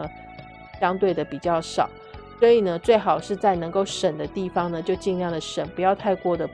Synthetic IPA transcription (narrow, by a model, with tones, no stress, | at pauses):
ɕjɑ˥ŋt̪we˥˩ɪd̪ə˩pi˨˩t͡ɕjɑ˥˩ʊʂɑ̰˨˩˦ʊswɔ˧˥i˨˩nə˧˦t͡swe˥˩ɪxɑ˨˩ʊʂɻ̩˥˧t͡sa˥˩ɪnɤ˧˥ŋko˥˩ʊʂə˨˩nd̪ə˦t̪i˥˩fɑ˥ŋnə˨t͡ɕjo˥˧ʊt͡ɕi˥˧njɑ˥˩ŋd̪ə˩ʂə˨˩npu˧˥jɑ˥˧ʊt̪ʰa˥˧ɪkwɔ˥˩d̪ə˩